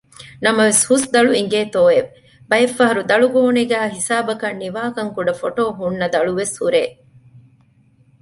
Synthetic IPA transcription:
nɐmɐʋeshusd̪ɐɭuiŋ̆ɡeːt̪oːeʋ | bɐjefːɐɦɐɾud̪ɐɭuɡoːuneɡæːɦisaːbɐkɐnːiʋaːkɐŋkuɖɐfoʈoːɦunːɐd̪ɐɭuʋeshuɾeː

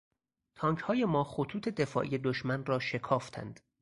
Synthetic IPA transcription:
t̪ʰɒːŋkʰhɒːje̞mɒːχot̪ʰuːt̪ʰe̞d̪e̞fɒ̰ːʔije̞d̪oʃmænrɒːʃe̞kʰɒːft̪ʰæ̰nd̪̥

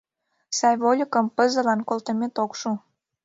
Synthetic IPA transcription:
sɑjβolʲəkəmpə̆zə̆lɑnkolt̪əmʲet̪okʃu

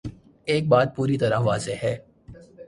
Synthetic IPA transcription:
eːk̚baːt̪̚puːɾit̪ɐɾaʋaːzeɦɛː

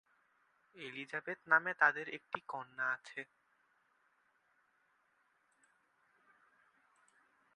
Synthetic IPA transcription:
elid͡ʑabet̪namet̪ad̪eɾek̚ʈikɔnːaat͡ɕʰe

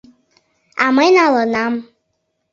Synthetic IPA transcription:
a̰mãjnãlɔnãm̩

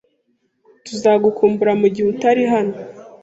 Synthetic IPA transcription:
tuzaːɡukuːmbuɾamuɟihutaɾiɦano

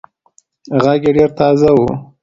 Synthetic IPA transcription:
ɣaɡjeɖeɾt̪ɑzawu

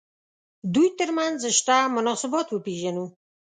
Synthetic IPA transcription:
d̪ujt̪əɾmanzʃʈamʊnɑsɪbɑt̪wəpeʒanu

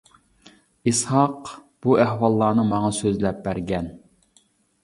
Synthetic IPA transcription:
ishɑq | b̥uæhwɑlˠːɑːnɨmɑŋɑsøzlɛp̚bæɾɡʲɛn

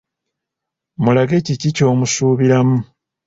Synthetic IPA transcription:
mulaɡe̞cicico̞ːmusuːβiɾamu

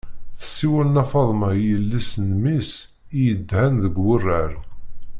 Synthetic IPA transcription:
θə̥sːiwælnɑfɑðˤmɑjəlːisnmis | ijəd̪ːhænðəɡwərːəɾ

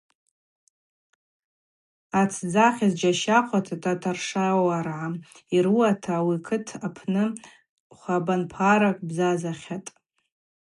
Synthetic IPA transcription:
at͡sʰd͡zaχʲazd͡ʒaʃaqʷʰatʰatʰʼatʰarʂawarʕa | iɾuatʰawikʰɨtʰapʰnɨ | χʷabanpʰaɾakʼbzazaχʲatʼ

